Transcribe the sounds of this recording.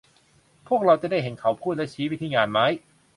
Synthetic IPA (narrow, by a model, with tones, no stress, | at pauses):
pʰu˥˩ək̚ɾa˧wt͡ɕa˨daː˥˩jɦe˩˦nkʰa˩˦wpʰuː˥˩t̪̚lɛ˦˥˩t͡ɕʰiː˦˥wi˦˥t̪ʰiː˧ŋaː˧nma˦˥j